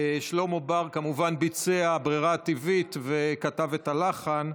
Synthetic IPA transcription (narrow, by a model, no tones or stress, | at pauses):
ʃlomobaʁkamuvanbit͡seabʁiʁaːt̪ivitvekatavetalaχan